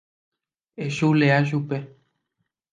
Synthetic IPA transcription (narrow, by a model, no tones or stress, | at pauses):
eʃuleaʃ̬upe